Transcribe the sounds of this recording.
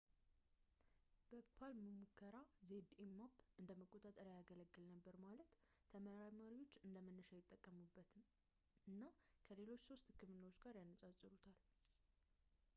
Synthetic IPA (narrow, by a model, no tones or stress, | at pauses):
b̥əpʰalməmukʰːəɾazed̪emːapːʔɨnd̪əməkʼːo̞t̪ʼat̪ʼəɾjaɡələɡːɨlnəbːəɾmalət̪ | t̪ʰəməɾaɾmaɾiwo̞t͡ʃːɨnd̪əmənːəʃajɪt̪ʼːəkʼːəmubːət̪ʰɨm | ɨnːakʰəle̞lo̞t͡ʃːso̞st̪hɨkːɨmɨnːəwot͡ʃːɡaɾjanːəsʼasʼɨɾut̪ʰal